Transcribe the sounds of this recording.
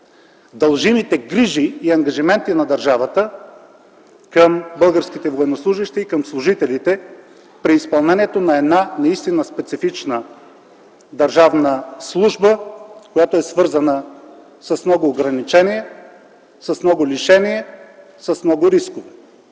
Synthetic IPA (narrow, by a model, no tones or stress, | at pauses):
d̪ɐlˠʒimit̪ɛɡɾiʒiːɐŋɡɐʒimɛnt̪inɐd̪ɐɾʒavət̪ə | kəmbɤlˠɡəɾskʲit̪ɛvoɛnoslˠuʒiʃt̪ɛikəmslˠʊʒit̪ɛlit̪ɛ | pɾiːspɐlˠnɛnʲiɛt̪onɐɛd̪nanɐist̪inəspɛt̪sifit͡ʃnə | d̪ɐɾʒavnəslˠuʒbəkojat̪oɛsvɤɾzənə | sɐsmnɔɡʊːɡɾɐnit͡ʃɛniɛ | səsmnɔɡʊliʃɛniɛ | səsmnɔɡʊɾiskʊv